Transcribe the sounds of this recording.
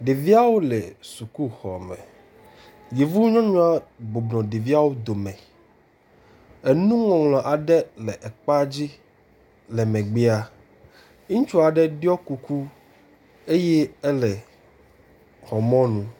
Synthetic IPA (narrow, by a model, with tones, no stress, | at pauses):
ɖe˨vi˦a˦wo˦lɛ˨su˨ku˦xɔ̰˨mɛ̰̃˨ | ji˨vu˦ɲɔ̃˦ɲɔ̃˦a˦ɡ͡bo˨bnɔ̃˨ɖe˨vi˦a˦wo˦d̪o˨mɛ̃˨ | e˨nũ˦ŋɔ̃˨ŋlɔ̃˨ʔa˨ɖɛ˦lɛ˨ʔɛ˨k͡pa˦d͡ʑi˦ | lɛ˨mɛ̃˨ɡ͡be˦a˨ | ɲĩ˦t͡ʃu˦a˨ɖɛ˦ɖɔ˦ku˨ku˦ | e˦jɛ˦ɛ˦lɛ˨ | xɔ˨mɔ̃˦nũ˦